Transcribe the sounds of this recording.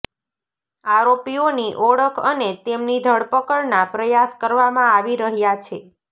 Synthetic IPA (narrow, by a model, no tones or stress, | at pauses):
aɾopioniʔɔɽəkʰənet̪emnid̪ʱəɽpəkəɭnapɾəjaskəɾʋamãaʋiɾəɦjat͡ʃʰe